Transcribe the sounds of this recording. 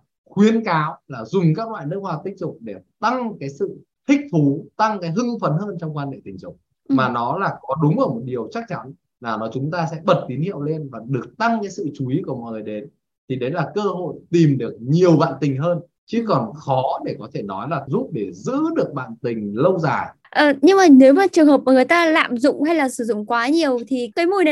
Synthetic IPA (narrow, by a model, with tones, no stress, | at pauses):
xwi˨˦ənkaː˨˦wlaː˨˩zʊ˨˩ŋ͡mkaː˦˥k̚lwa̰ː˧˨jnɨ˦˥ək̚waː˧t̪ï˦˥ŋ̟t̪ʊ˨˩k͡p̚ɗe˧˩t̪a˧ŋkaː˨˦jsɨ̰˧˨ | t̪ʰï˦˥k̟̚t̪ʰu˨˦t̪a˧ŋkaː˨˦jɦɨ˧ŋfə˨˦nɦəː˧nt͡ɕɔ˧wŋ͡mkwaː˧nhḛ˧˨t̪ï˨˩ŋ̟t͡ɕʊ˨˩ŋ͡m̚ | maː˨˩nɔ˨˦laː˨˩kɔ˨˦ɗʊ˨˦ŋ͡mʔəː˧˩mo˨˩t̚ɗi˨˩əwt͡ɕa˦˥k̚t͡ɕa˨˦n | laː˨˩nɔ˨˦t͡ɕʊ˨˦ŋ͡mt̪aː˧sɛ̰˧˥ɓə˨˩t̚t̪i˨˦nhḭ˧˨əwle˧nvaː˨˩ɗɨ˨˩ək̚t̪a˧ŋkaː˨˦jsɨ̰˧˨t͡ɕu˨˦i˨˦ku˧˩əmɔ̰˧˨jŋɨ˨˩jɗe˨˩˦n | t̪ʰi˨˩ɗə˨˦jlaː˨˩kəː˧ɦo̰˧˨jt̪i˨˩mɗɨ˨˩ək̚ɲi˨˩əwɓa̰ː˧˨nt̪ï˨˩ŋ̟ɦəː˧n | t͡ɕɨ˨˦kɔ˨˩nxɔ˨˦ɗe˧˩kɔ˨˦t̪ʰe˧˩nɔ˨˦jlaː˨˩zu˦˥p̚ɗe˧˩zɨ̰˧˥ɗɨ˨˩ək̚ɓa̰ː˧˨nt̪ï˨˩ŋ̟lə˧wzaː˨˩ | ʔəː˨˩ɲɨ˧ŋmaː˨˩ne˨˦wmaː˨˩t͡ɕɨ˨˩əŋɦəː˨˩p̚ʔaː˧˩ŋ˨˩˨jt̪aː˧la̰ː˧˨mzʊ̰˧˨ŋ͡mha˧jlaː˨˩sɨ˧˩zʊ̰˧˨ŋ͡mkwaː˨˦ɲi˨˩əwt̪ʰi˨˩kəː˨˦jmu˨˩jn˨˦